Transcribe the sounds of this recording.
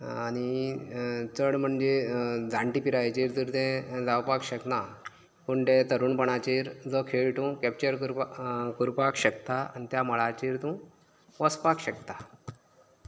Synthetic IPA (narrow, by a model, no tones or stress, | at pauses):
añi | t͡səɽm̤əɳd͡ʑed͡zʱãɳʈipiɾajt͡ɕiɾt̪əɾt̪ɛ̃d͡zawpakɕəkna | puɳʈ̪ɛ̃t̪əɾuːɳpəɳat͡ɕeɾd͡zəkʰeɭʈũkɛp̚t͡ɕəɾkɾkuɾpakɕəkt̪aa̰nit̪jaməɭat͡ɕiɾt̪ũ | ʋəspakɕəkt̪a